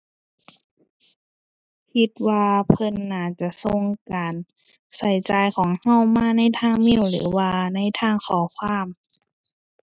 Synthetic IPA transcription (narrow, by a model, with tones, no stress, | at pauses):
kʰi˧t̪̚waː˧pʰɤ˧˥nːaː˧˩t͡ɕa˧so˧ŋkaː˨n | sa˨˦jt͡ɕaː˨jkʰɔː˩˦ŋha˧˩˨wmaː˧˥˨na˧˥˨jt̪ʰaː˧˥˨ŋmi˧˥˨wlɯ̰ː˩˦waː˧na˧˥˩jt̪ʰaː˧˥˩ŋkʰɔː˨˩˦kʰwaː˧˥˨m